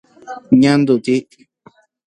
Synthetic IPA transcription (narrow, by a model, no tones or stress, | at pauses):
ɲãnd̪ut̪i